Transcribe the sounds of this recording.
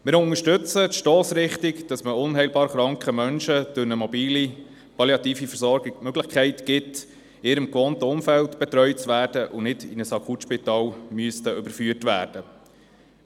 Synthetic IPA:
mɪːɾʊnŋəʃtʏt͡sətʃtoːsɾɪχtɪkd̥ɑsməʊnɦæɪjlbɑːɾχɾɑŋkχəmœnʃəd̥ʊɾnəmɔbiːli | pɑljɑtiːfifəɾsɔɾɡɪmøɡlɪχkʰɛɪtɡ̥ɪt | ɪɾəmkʋontʊmfælt̪b̥ɛt̪ɾœʏt͡sʋæːɾd̥əʔʊnɪdɪ̰nəsɑkʰutʃpitɑːlmyəstəʔʏbəɾfyətʋæ̰ːɾd̥ə

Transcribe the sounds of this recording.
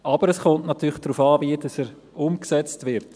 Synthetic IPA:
ʔɑb̥əɾəsχontnɑtyːlχd̥ɾuːfɑːviəd̥ɑsɛɾ | ʊmksɛt͡stvɪɾt

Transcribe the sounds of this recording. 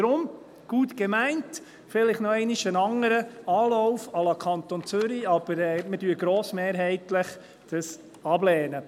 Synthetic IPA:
d̥ɾʊm | ɡ̥uːtɡ̥ɛmæɪnt | fɪlɪχnɔɛɪnɪʃənɑŋəɾəɑːlɔʊfɑlɑkʰɑnt̪ont͡søɾiɑb̥əɾɛmədyːəɡɾoːsmeːɾɦɛɪtləχ | d̥əs | ɑblɛːnə

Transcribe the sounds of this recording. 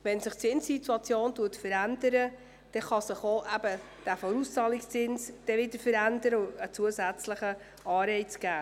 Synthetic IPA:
ʋɛnsɪχt͡sɪnssituɑt͡sjoːntuətfəɾændəɾə | d̥ɛχɑsɪχoʔæbə | d̥æfɔɾust͡sɑːlikst͡sɪnsd̥ɛʋɪdəɾfəɾændəɾəət͡suəsæt͡sləχə | ɑːɾɛɪt͡sɡ̥æː

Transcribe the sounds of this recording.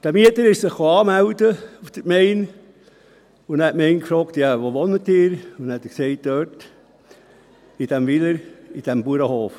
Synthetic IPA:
d̥æmiətəɾɪʃsɪχːoɑːmæwdəufd̥̪əkmɛɪn | ʊnɛtmɛɪnkfɾɔːkt̪jɑʋoʋɔnət̪ɪːɾʊnɛt̪əksɛɪt̚d̥̪øːt | id̥æmʋiləɾid̥æmbuəɾəhoːf

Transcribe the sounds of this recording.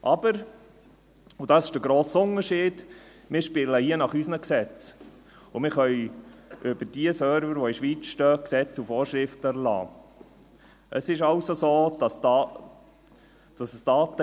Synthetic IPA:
ʔɑb̥əɾ | ʊd̥ɑsɪʃd̥əɡɾoːsʊnəɾʃiːd̥ | mɪːɾʃpɪləhiənɑχysnəksɛt͡s | ʊmɪɾχœʏʏb̥əɾd̥iəsœɾvəɾʋoiʃʋiːt͡sʃtœːksɛt͡sufoːɾʃɾɪftəəɾlɑ̰ː | ʔəsɪʃɑwsosoːd̥ɑsdɑ | d̥ɑsəsd̥ɑːt̪ə

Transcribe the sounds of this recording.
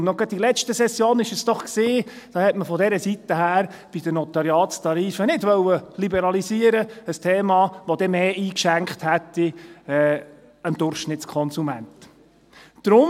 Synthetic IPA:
nnɔɡ̥ɑd̚dilɛt͡ʃtəsɛsːjoːnɪʃəsd̥ɔχksiː | d̥ɑːhɛtməfɔd̪ɛɾəsit̪əhæːɾb̥id̥ənɔt̪ɑɾjɑːtstɑɾiːfənɪdʋœwəlibɛɾɑlisiəɾəəstʰeːmɑːʋod̪ɛmeːʔiːkʃæŋkχthæt̪ːiɛː | ənd̥̪ʊrχʃnɪtskʰɔnsumænt | d̥ɾʊm

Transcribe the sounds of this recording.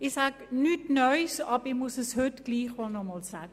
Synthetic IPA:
ɪxsaɡnytnœjsɑbəɪmusəshøtɡ̥liːχʋɔlˠnɔmɔlsaːɡə

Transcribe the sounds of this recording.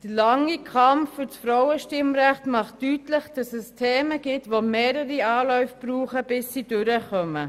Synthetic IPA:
d̥əlɑŋikʰɑmffʏsfɾawəʃtɪmɾæχtmɑχtːytlɪχd̥ɑsɛstʰeːməɡ̥ɪtvomeːɾəɾiaːlɔʏfb̥ruːχəb̥ɪsːid̥ʏɾəχœmə

